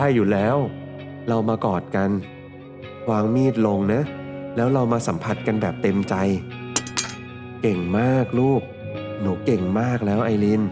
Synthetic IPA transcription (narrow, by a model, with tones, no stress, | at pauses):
ta˥˩jːuː˨˩lɛː˦˥w | ɾa˧wmaː˧kɔː˨˩t̪̚ka˧n | kʰwaː˧ŋmiː˥˩t̪̚lo˧ŋna˦˥lɛː˦˥wɾa˧wmaː˧sa˩˦mpʰa˨˩t̪̚ka˧nbɛː˨˩p̚t̪e˧mt͡ɕa˧j | ke˨˩ŋmaː˥˩k̚luː˥˩k̚ | nuː˩˦ke˨˩ŋmaː˥˩k̚lɛː˦˥wʔa˧jli˧n